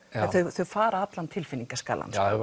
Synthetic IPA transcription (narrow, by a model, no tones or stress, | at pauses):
ɛθœɥθœɥfaːɾaat̪lant̪ʰɪlfɪnːiŋkaska̰ːla̰n